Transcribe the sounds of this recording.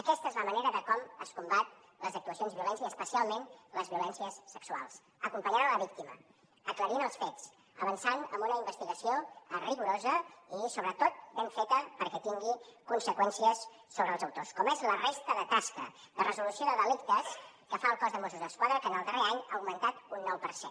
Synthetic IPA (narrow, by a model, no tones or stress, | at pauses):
əkɛst̪əezləməneɾəðəkɔməskumbat̪̚ | ləzək̚t̪uəsionzβiulɛnziəspəsialˠmenləzβiulɛnsiəsːəksua̰lˠs | əkumpəɲaɾaləβik̚t̪imə̰ | əkləɾinəlˠsfet͡s | əβənsanəmbunəimbəst̪iɣəsioəriɣuɾozəisoβɾət̪ot̪̚beɱfet̪əpəɾkɛt̪iŋɡikunsəkwɛnsiəsː | oβɾəːlˠzəwt̪oskɔmezlərest̪əðət̪askə̰ | d̪ərəzulusioðəðəlikt̪əs | kəfaəlˠkɔzðəmosuzðəskwaðɾəkənəlˠd̪əreaɲaəwmənt̪at̪unːɔwpəɾsḛn